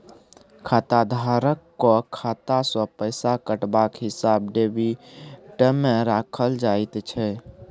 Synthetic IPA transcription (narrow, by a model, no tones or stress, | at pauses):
kʰat̪ad̪ʱaɾəkːɔkʰat̪asɔ̃pəɪsakəʈbakɦisabɖ̪ebiʈəmːeɾakʰəld͡ʒajt̪t͡ʃʰɛ